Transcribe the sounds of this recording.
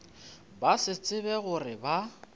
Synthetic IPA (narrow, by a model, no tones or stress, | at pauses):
basɪt͡sʼɪbɛɣʊrɪba